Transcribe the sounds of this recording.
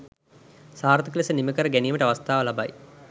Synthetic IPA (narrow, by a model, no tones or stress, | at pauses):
saːɾt̪ʰɐklisənimikəɾəɡænijməʈaʋɐst̪aːʋəlɐba̰j